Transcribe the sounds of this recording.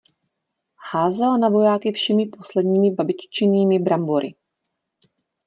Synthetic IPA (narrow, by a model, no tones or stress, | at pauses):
haːzɛlanavo̞jaːkɪfʃɛmɪpo̞slɛdɲiːmɪbabɪt͡ʃt͡ʃɪniːmɪbɾamboɾʔɪ̰